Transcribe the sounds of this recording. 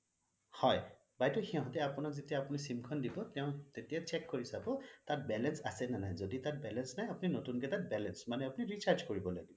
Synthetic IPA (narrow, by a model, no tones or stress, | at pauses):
hɔj | bajtɔxiɦɔ̃tɛapunakzetijaːpunisimkʰɔndibɔtɛʊ̃tetijat͡ʃɛkːoɹisabɔtatbɛlɛnsasɛnanajzoditat̚bɛlɛnsnajapʊninotunkɛtat̚bɛlɛnsmanɛapʊniɹit͡ʃaɹd͡ʒkoɹibɔla̰ɡibɔ